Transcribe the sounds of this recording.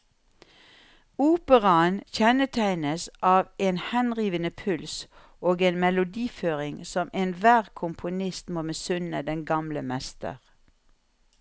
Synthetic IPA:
uːpəʁɑənçɛnət̪ʰæɪnəsʔɑːʋeːnhɛnʁiːʋənəpʰʉls | oːɡeːnmɛlʊd̪iːføːʁɪŋsɔmeːnʋæːʁkʰʊmpʰʊnɪst̪moːmɛsʉnəd̪ɛnɡɑmləmɛst̪ə̰ʁ

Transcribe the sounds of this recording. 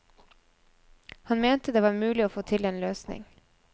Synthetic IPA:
hɑnmeːnt̪əd̪eːʋɑːɾmʉːlɪoːfoːt̪ʰɪleːnløːsnɪ̰ŋ

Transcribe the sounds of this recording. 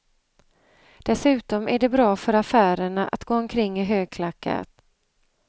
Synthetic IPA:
d̪̥ɛsʉ̟ːt̪ɔmʔæɖɛbɾɑːfœɾafæːɾəɳaʔa̰t̪ɡoːɔmkʰɾɪŋːɪɦøːɡ̚kʰlakːa̰t̪

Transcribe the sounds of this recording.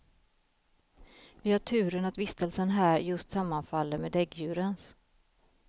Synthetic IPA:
vɪhaʈʰʉ̟ːɾənat̪vɪst̪əlsənɦæːɾjɵst̪samːanfalːəmeːd̪ɛɡjʉ̟ːɾəns

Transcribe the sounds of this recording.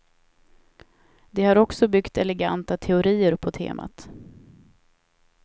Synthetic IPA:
d̪ɛhaɾɔksɔbʏkt̪ɛlɛɡa̰nt̪at̪ʰɛʊɾiːəɾpʰɔt̪ʰḛːmʔa̰t̪

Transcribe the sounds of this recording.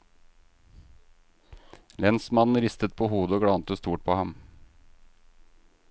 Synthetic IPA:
lɛnsmɑnn̩ɾɪst̪ət̪̚pʰoːhuːd̪əoːɡɽɑnt̪əst̪uːʈ̚pʰoːhɑm

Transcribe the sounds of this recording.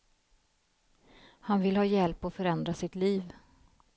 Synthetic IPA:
hanvɪlhɑːjɛlpɔfœɾɛnd̪ɾasɪt̪liːv

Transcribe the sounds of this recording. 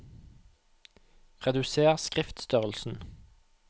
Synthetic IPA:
ʁɛd̪ʉseːʁskʁɪft̪st̪œʁəlsn̩

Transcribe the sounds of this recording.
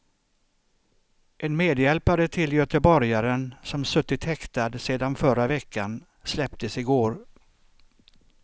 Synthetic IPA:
ʔɛnmeːd̪jɛlpaɾət̪ʰɪljœt̪əbɔɾjaɾənsɔmsɵt̪ːɪt̪hɛkt̪ad̪seːd̪anfœɾavɛkʰːan | slɛpt̪ʰəsɪɡoːɾ

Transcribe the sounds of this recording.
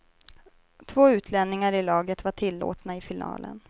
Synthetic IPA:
t̪ʰvoːʉ̟ːt̪ʰlɛnːɪŋaɾɪlɑːɡət̪vaʈʰɪlːo̰ːt̪naɪfɪnɑ̰ːlʔə̰n

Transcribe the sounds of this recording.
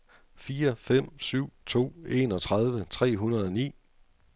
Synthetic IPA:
fiːɐfem̰syʊ̰t͡sʰo̝̰ːe̝̰nɒ̽t͡sʰʁɑð̞ˠʋət͡sʰʁɛ̰ːɦunɐðˠɒ̽nḭː

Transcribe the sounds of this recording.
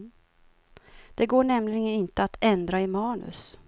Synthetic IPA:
d̪̥ɛɡoːɳɛmlɪɡənɪnt̪əat̪ɛnd̪ɾaɪmɑːnɵ̰s

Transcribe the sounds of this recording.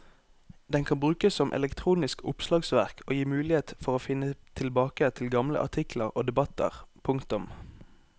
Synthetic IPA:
d̪ɛŋkʰɑnbʁʉːkəssɔmʔɛ̰lɛkt̪ʰʁuːnɪskʊpslɑːɡsʋæʁkʰoːjiːmʉːlɪheːt̪fɔʁoːfɪnːət̪ʰɪlbɑːkət̪ʰɪlɡɑmlə̰ʔɑ̰ʁt̪ʰɪkləʁoːd̪ɛbɑt̪ə̰ʁpʰʊŋkt̪ʊm

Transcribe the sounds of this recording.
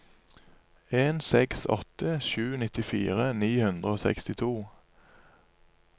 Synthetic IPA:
eːnsɛksɔ̰t̪əʃʉːnɪt̪ɪfiːʁəniːhʉnd̪ʁəoːsɛ̰kst̪ɪt̪ʰuː

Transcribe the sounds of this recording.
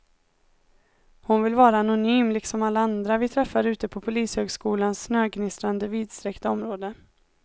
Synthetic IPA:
hʊnvɪlvɑːɾaːnʊnyːmlɪksɔmalːaand̪ɾavɪt̪ʰɾɛfːaɾʉ̟ːt̪əpʰɔpʰʊliːshøːɡskuːlansnøːɡnɪst̪ɾand̪əviːd̪st̪ɾɛkt̪aɔmɾoːd̪ə

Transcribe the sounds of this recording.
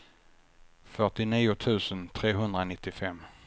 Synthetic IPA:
fœʈɪniːʊt̪ʰʉ̟ːsənt̪ʰɾeːɦɵnd̪ɾanɪt̪ːɪfɛmː

